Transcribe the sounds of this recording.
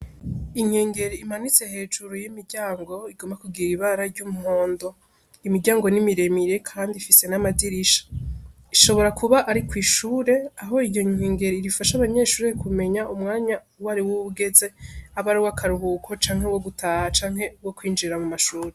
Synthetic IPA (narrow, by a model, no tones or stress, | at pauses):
iŋ̥heːŋɡe̞ɾiimanit͡se̞he̞ːd͡ʒuɾujimiɾɟaːŋɡo̞iɡ̥o̞mbakuɡiɾiiβaɾaɾɟumuho̞ːndo̞ | imiɾɟaːŋɡo̞nimiɾe̞miɾe̞kʰaːndifise̞namadiɾiʃḁ | iʃo̞βo̞ɾakʰuβaʔaɾikwiːʃuːɾe̞aɦo̞ijo̞ɲ̥eːŋɡe̞ɾiiɾifaʃaβaɲe̞ːʃuːɾekume̞ɲaʔumŋaːɲa | waɾiwuβuɡe̞ze̞aβaɾiwakʰaɾuɦukʰo̞t͡ʃaːŋhe̞wo̞ɡutahat͡ʃaːŋhe̞wo̞kwiːnd͡ʒiɾamumaʃuːɾe